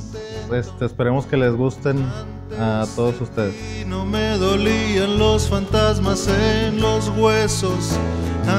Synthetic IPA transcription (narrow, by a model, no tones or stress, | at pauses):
est̪eːspe̞ɾemo̞ske̞le̞zɣust̪en | at̪o̞ðosust̪e̞ðesno̞me̞ðo̞lianlo̞sfant̪azmasenlo̞zɣwe̞so̞sa